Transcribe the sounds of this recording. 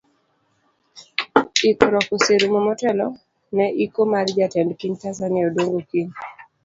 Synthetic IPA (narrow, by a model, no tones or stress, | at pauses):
ikɾɔkuseɾmɔmɔtɛlɔ | nɛʔikomaɾd͡ʒatɛndkiɲtazaniaodoŋɡokiɲ